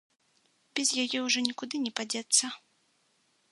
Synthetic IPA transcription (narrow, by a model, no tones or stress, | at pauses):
bʲɛzʲjajɛwʐɔnʲikud̪ɨnʲɛpad͡zʲɛt̪sːɐ